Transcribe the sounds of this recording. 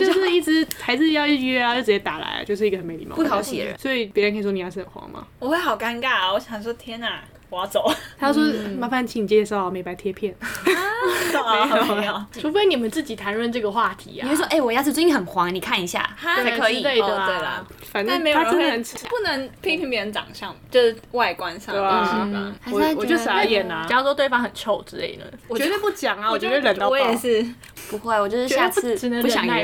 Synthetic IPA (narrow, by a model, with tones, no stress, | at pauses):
t͡ɕjo˥˧ʊʂ̩˥˧i˥˩ʈ͡ʂɻ̩˧˥t̪ʰa˧˥ɪt͡sɹ̩˥˧jɑ˥˧ʊi˥˩˥ɛ˥˧˦jo˥˩ɻ̩˧˩jɛ˧˥t̪a˨˩la̰˧˥ɪa̰˦t͡ɕjo˥˧ʊʂɻ̩˥i˧ɡə˧ə˨˦me˧˥ɪlḭ˨˧˩m̰ɑ̰˥pu˥˩˥tʰɑ˧ʊɕɛ̰˨˧ə̰˦sɔ˧˥i˨˩pjɻə˧nkə˥i˨˩wo˥i˨jɑ˥˧ʂɻ̩˥˧˩ə˨˩nxwɑ̰˧˥ŋma̰˨˩wɔ˨˩xwe˥˩ɪxɑ˨˩ʊka˥nka˥˩a˨wɔ˧˥ɕɑ˨ŋ˧˩ʂwɔ˥t̪ʰjɛ˥na˨˩ | wɔ˨˩jɑ˥ʊt͡so˨˩˦ʊt̪ʰa˥jʂ̬wɔ˥ma˧˥fa˥˧nt͡ɕʰi˨˥ŋni˨˩t͡ɕjɛ˧ʂɑ˥˩ʊ˨˩me˧˥ɪpa˧˥ɪt̪ʰjɛ˥pʰjɛ˥˩n | o˨˩˧o˨˥jʈ͡ʂʰu˧˥fe˥ɪni˨˩mə˨˦nt͡sɹ̩˥˩t͡ɕi˨˩t̪ʰa˧˥nɻwə˥˧nʈ͡ʂɤ˥˩ɡə˩xwa˥˩t̪ʰḭ˧˥˨kwwɔ˥ʔe˥˩wɔ˨˩jɑ˥˧ʂ̩˥˩u˥i˧˩xə˨˩nxwɑ˧˦˥ŋni˨˩kʰa˥˩ni˧˥ɕja̰˥˩a˥˧˥kʰɤ˧˦˥i˩le˥˩ɪəwe˥˩ɪlə̰˩ | fa˨˩n˥˩me˧˥joa˥˨˧n˧˦nʰ˥˧˥pu˥˩nə˧˦ŋpʰe˥ɪpʰi˧˥ŋpjə˧nt͡sɑ̰˨˩ŋɕjɑ̰˥˨ŋt͡ɕjo˥˧ʊʂ̩˥˩wa˥˩ɪkwa˦nsɑ˥˧˩ə̰xa˧˥ɪ˥ɔ˧˨˩t͡ɕo˥˩˧a˧˥jɛ˨˩nɐ˨t͡ɕɑ˥ʊt͡so˥˧t̪we˥ɪɑ˥ŋxə˨˩nt͡ɕʰjo˥˩ʊʈ͡ʂɻ̩˥lḛ˥˩ɪnə̰˩wɔ˨t͡ɕɥɛ˧˥we˧pu˥˩t͡ɕjɑ˨˩ŋa˦wɔ˨˩t͡ɕt̪we˥˩lə˨˩n˥˨˩ʂɻ̩˥˩ | pu˧˥xwe˥˩ɪwɔ˨˩t͡ɕjʂɻ̩˥˧ja˥˧t͡sʰɹ̩˥˩˧pu˥˩jɑ˨ŋ˥˧